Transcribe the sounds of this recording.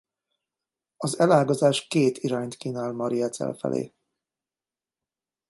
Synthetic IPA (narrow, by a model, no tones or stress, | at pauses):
ɒzɛlaːɡɒzaːʃkeːt̪iɾaːɲt̪kiːnaːlmɒɾijɛt̪sɛ̰lfɛ̰lʔḛː